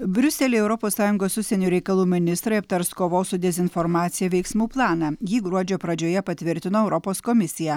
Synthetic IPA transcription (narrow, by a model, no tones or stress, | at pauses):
bʲɾʲʊsʲɛlʲeːɛʊɾɔpoːsːɑːjʊŋɡoːsʊʃsʲɛnʲuːɾʲɛɪkɐlˠuːmʲɪnʲɪst̪ɾɐɪɐp̚t̪ɐɾskoːʋoːsʊd̪ʲɛzʲɪnfɔɾmɑːt̪sʲɪjɛʋʲɛɪksmuːplˠɑːnɑjiːɡɾuɔd͡ʒʲoːpɾɐd͡ʒʲoːjɛpɐt̪ʲʋʲɪɾʲt̪ʲɪnoːɛʊɾɔpoːskɔmʲɪsʲɪjæː